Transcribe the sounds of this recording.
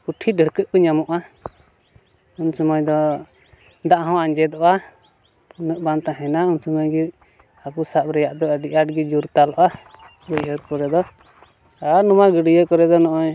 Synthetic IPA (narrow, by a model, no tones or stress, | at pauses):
kuʈʰidʱəɽkəʔ̚kɔɲamɔʔa | unsɔmajd̪ɔ | d̪aʔɦɔ̃aɲd͡ʒɛd̪ɔʔa | unəʔbant̪aɦɛnaunsɔmajɡi | akusap̚ɾɛjaʔd̪ɔəɖiʔaʈɡid͡ʒuɾt̪alɔʔa | ləjɦəɾkɔɾɛd̪ɔ | aɾnumaɡəɖijəkɔɾɛd̪ɔnɔʔɔj